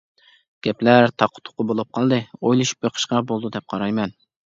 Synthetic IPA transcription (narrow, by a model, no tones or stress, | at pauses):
ɡ̥ʲɛplæɾt̪ʰɑqʰʊ̥t̪ʰʊ̥qːʊbolˠup̚qʰɑlˠd̪ɨojlˠuʃu̥p̚boqʰə̥ʃqɑbolˠd̪ud̪ɛp̚qʰɑɾɑjmɛn